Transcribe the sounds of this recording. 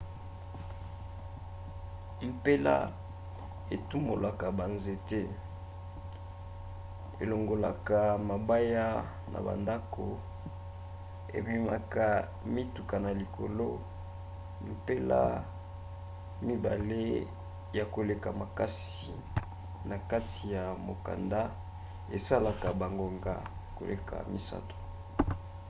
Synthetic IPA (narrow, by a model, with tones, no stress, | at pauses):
m̩pe˦la̰˦ | e˨tu˦mbo˨la˨ka˨ba˨nze˨te˦ | ḛ˨lo˨ŋɡo˨la˨ka˨ma˨ba˦ja˦ | nʔa̰˨ba̰˨nda˦ko˨ | ḛ˨bi˨ma˨ka˨ | mi˦tu˨ka˨na˨li˨kʰo˨lo˦ | m̩˨pe˦la̰˦ | mi˦ba˨le˦ | ja˨ko˨le˨ka˨ma˨ka˦si˨ | na˨ka˦ti˨ja˨mo˨ka̰˨nda˦ | e˨sa˦la˨ka˨ba˨ŋɡo˨ŋɡa̰˨ko̰˨lḛ˨kʰa̰˨mi˦sa̰˦to̥˨